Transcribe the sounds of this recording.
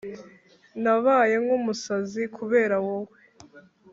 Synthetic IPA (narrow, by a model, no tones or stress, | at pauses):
naβaje̞ŋɡumusazikʰuβe̞ːɾawowe